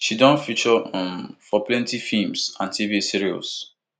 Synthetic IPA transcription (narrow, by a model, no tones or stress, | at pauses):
ʃidɔ̃nfit͡ʃɔ̃mfɔplɛ̃ntifimsãntʰivisiɹiɔ̰s